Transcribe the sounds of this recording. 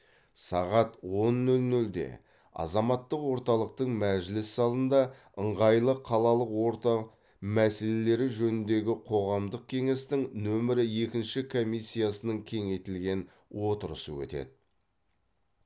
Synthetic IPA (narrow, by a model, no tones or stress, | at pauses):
sɑ̰ʁɑt̪wo̞nːɵlnɵld̪e̞̰ | ɑ̰zɑmɑt̪ːəqwo̞ɾt̪ɑlˠəq̚t̪əɴmæʒɪlɪsːɑlˠənd̪ɑ | əɴʁɑjlˠəqʰːɑlˠɑlˠəqwo̞ɾt̪ɑ | mæse̞le̞le̞ɾɪʒɵnɪnd̪e̞ɡʲɪqʰo̞ʁɑmd̪əq̚kʲʰe̞ŋe̞st̪ɪŋnɵmɪɾɪje̞kʲɪnʃɪkʰo̞mijsʲːijasənəɴkʲʰe̞ŋe̞jt̪ɪlɡʲe̞n | wo̞t̪əɾə̰səwɵ̰t̪e̞̰d̪ɪ